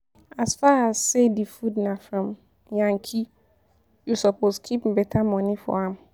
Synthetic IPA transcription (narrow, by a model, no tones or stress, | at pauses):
asfaasːedifudnãfɹɔ̃m | jãŋkʰi | jusɔposkʰip̩bɛtʰamɔ̃nĩfɔ̰ãm